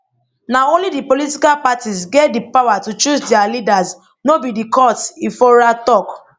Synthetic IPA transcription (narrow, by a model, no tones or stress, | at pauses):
naõnlidipolitikalpatisɡɛt̚dipawatut͡ʃusdialidas | nobidikɔtifɔɾatɔk